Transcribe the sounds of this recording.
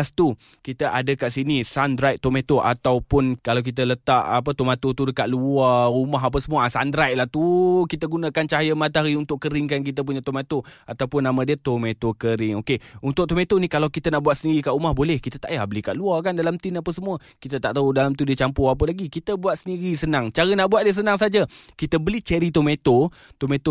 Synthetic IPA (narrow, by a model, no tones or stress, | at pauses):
ast̪u | kit̪əʔadəkaʔsinisandɾajʔ̚t̪omẽt̪oʔa̰t̪awpʊnkalawk̬it̪̬ələt̪aʔap̬ət̪omat̪ot̪udəkaʔ̪̚luaumaɦap̬əsəmuəasand̪ɾajʔ̚laht̪ukit̪əɡunãkant͡ʃaɦajəmat̪aɾiunt̪ʊʔkəɾɪŋkank̬it̪əp̬uɲə̃t̪omat̪oat̪awpʊnːamãdiət̪omẽt̪okəɾɪŋokeunt̪ʊʔ̚t̪omet̪onikalawkit̪ənaʔbuat̪səndiɾikaʔumahbolɛhkit̪ət̪a̰ʔjabəlikaʔluakandalamt̪ɪnapəsəmuə | kit̪ət̪aʔt̪audalamt̪udiət͡ʃampʊhap̬əlaɡikit̪əbuat̪̚səniɾisənãŋt͡ʃaɾənaʔbuat̪̚diəs̬ənaŋsad͡ʒakit̪əbəlit͡ʃəɾit̪omet̪o | t̪omet̪o